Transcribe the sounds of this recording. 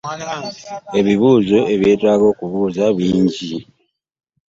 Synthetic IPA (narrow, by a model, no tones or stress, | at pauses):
e̞βiβuːzo̞e̞βje̞ːtwaːɡo̞ːkuβuːzaβiːɲɟi